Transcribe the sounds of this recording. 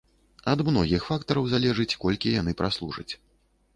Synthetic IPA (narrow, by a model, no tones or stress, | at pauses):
ɐd̪mnɔɣʲixfakt̪ɐɾɐwzalʲɛʐɨt͡sʲkɔlʲkʲijanɨpɾaslˠuʐɐ̰t͡sʲ